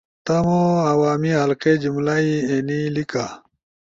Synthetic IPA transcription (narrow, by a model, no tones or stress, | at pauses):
t̪ɐmoɐwaːmiɦɐlked͡ʑimlaienilika